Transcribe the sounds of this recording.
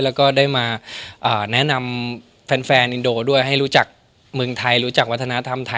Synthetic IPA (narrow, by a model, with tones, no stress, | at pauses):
lɛː˦˥wkɔː˥˩daː˥˩jmaː˧ʔɤː˨˩nɛ˦˥na˧m | fɛː˨˧˥nfɛː˧nʔi˧ndoː˧du˥˩əjɦa˥˩jɾu˦˥t͡ɕa˨˩k̚ | mɯ˧ŋt̪ʰa˧jɾuː˦˥t͡ɕa˨˩k̚wa˦˥t̪ʰːa˧na˦˥t̪ʰa˧mt̪ʰa˧